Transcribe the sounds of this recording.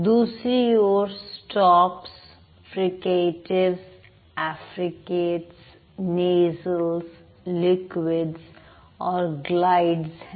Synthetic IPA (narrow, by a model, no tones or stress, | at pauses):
d̪uːsɾijoːɾsʈɔːps | fɾɪkeːʈɪɾs | æfɾɪkeːʈs | neːzəlz | lɪkwɪɖz | ɔːɾɡlaɪɖz